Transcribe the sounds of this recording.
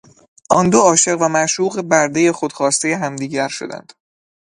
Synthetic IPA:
ʔɒːnd̪oɒːʃe̞ɣvæmæʃuːɣe̞bæɾd̪e̞je̞xo̞d̪̥xɒːst̪e̞jeɦæmd̪iːɟæɾʃo̞d̪æ̰nd̪̥

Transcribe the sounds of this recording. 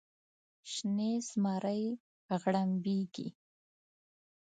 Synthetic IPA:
ʃnezmɑɾəj | ɣɽambeɡḭ

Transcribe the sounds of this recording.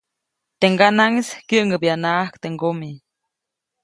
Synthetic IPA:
t̪eŋɡanaŋiskjəʔŋəpjanaahkt̪eŋɡomi

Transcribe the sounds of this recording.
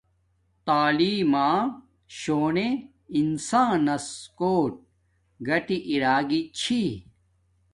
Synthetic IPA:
t̪aːliːmãː | ɕoːne | insãːnɐskoːʈ̚ | ɡɐʈiʔiɾaːɡit͡ɕʰi

